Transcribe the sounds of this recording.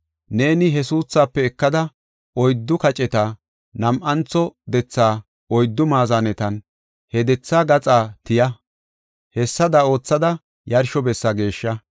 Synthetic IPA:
ne̞ːnɪɦɛsuːsːaːpːɛːkːɐd̪ɐ | ɔjd̪ːʊkɐt͡ʃʼɛt̪a | nɐmʔɐnt͡sɔd̪ɛt͡sːaː | ɔjd̪ːʊmaːzanɛt̪ɐn | hɛd̪ɛt͡sːaːɡɐt͡sʼaːt̪ɪjɐ | hɛsːɐd̪ɐo̞ːt͡sːɐd̪ɐ | jɐɾʃɔbɛsːɐɡe̞ːʃːɐ

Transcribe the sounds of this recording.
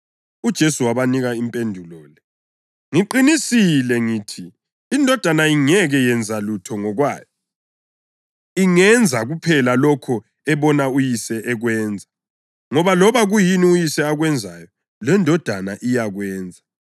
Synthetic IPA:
ud̥ʒ̥ʱesuwaβaniɣaimpʼendʱulɔːlɛ | ŋiǃinisilɛŋiːtʰiː | ndʱɔd̥ʱanaiŋɛɣɛjɛnd͡zʱalutʰɔŋɔɣwa̰ːjɔ | iŋɛnd͡zʱaɣupʰɛlalɔkʰɔ | ɛβɔnaujisɛʔɛɣwɛːnd͡zʱa | ŋɔβalɔβaɣujiniujisɛaɣwɛnd͡zʱajɔ | lɛndʱɔd̥ʱanaʔijaɣwɛːnd͡zʱa

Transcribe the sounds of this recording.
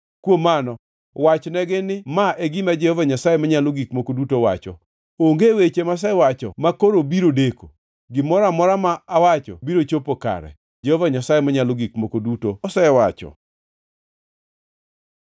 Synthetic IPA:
kwomanɔ | wat͡ʃnɛɡɪnɪmaʔeɡimad͡ʒɛhɔvaɲasajemaɲaloɡikmokodutowa̰t͡ʃɔ̰ | oŋɡewet͡ʃemas̬ɛwat͡ʃɔ̰makoɾobiɾodeko | ɡɪmɔɾamɔɾamaːwat͡ʃɔ̰biɾot͡ʃopoka̰ɾɛ̰ | d͡ʒɛhɔvaɲasajemaɲaloɡikmokodutosɛwat͡ʃɔ̰

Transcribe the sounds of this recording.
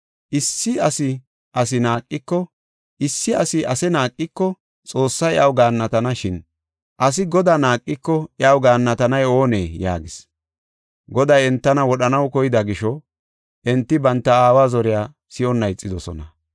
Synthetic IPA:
ʔɪsːɪɐsɪ | ʔɐs̬ɪnaːkʼːɪkːɔ | ɪsːɪɐsɪʔɐsɛnaːkʼːɪkːɔ | t͡sʼo̞ːsːɐjɛʔɐwɡaːnːɐt̪ɐnɐʃɪn | ʔɐs̬ɪɡɔd̪anaːkʼːɪkːɔɛɐwɡaːnːɐt̪ɐnɐjo̞ːnḛːja̰ːɡɪs | ɡɔd̪ɐjɛnt̪ːɐnɐwɔɗɐnɐwkɔjɪd̪ɐɡɪʃɔ | ʔɛnt̪ːɪbɐnt̪ːɐaːwaːzɔɾɪjaː | sɪɔnːɐjt͡sʼːɪd̪ɔsɔ̰nɐ

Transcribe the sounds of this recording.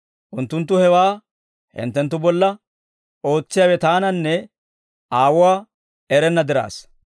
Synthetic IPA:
ʔʊnt̪ːʊnt̪̬ːʊhɛwaː | hɪ̰nt̪ːɛnt̪ːʊbɔlːɐ | ʔo̞ːt͡sːɪjaːwɛt̪aːnɐnːɛ | ʔaːwʊwaː | ɛɾɛnːɐd̪ɪɾa̰ːs

